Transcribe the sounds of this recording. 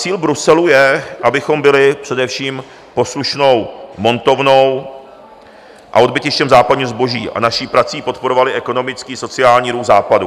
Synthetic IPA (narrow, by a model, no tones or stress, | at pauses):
t͡siːlbɾusɛlujɛʔabɪxo̞mbɪlɪpr̥ɛdɛfʃiːm | po̞sluʃno̞wmo̞nt̪o̞vno̞w | ʔa̰o̞d̚bɪcɪʃcɛmzaːpadɲiːozbo̞ʒḭːʔa̰naʃiːpɾat͡siːpo̞t̪po̞ɾo̞valɪʔɛko̞no̞mɪt͡skiːso̞t͡sɪaːlɲiːɾuxzaːpadu